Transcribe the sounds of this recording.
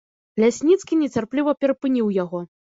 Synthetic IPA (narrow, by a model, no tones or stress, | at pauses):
lʲasʲnʲit̪skʲinʲɛt͡sʲarplʲivɐpʲɛɾɐpɨnʲiwjaɣɔ